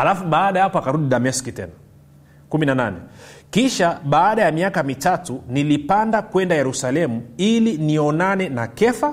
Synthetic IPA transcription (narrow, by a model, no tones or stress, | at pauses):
alafuɓaːɗajapɔakaɾuɗiɗamiɛskitɛ̰na | kuminananɛkiʃaɓaːɗajamiakamitatunilipandakwɛndajɛɾusalɛmuiliniɔnanɛnakɛfa